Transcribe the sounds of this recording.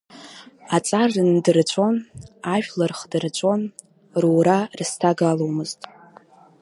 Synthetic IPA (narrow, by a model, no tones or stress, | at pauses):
at͡sʼarɨndɨrt͡ɕʷʰo̞naʒᶣlarχdɨrt͡ɕʷʰʼo̞n | ruwɾarstʰaɡalo̞wmɨztʼ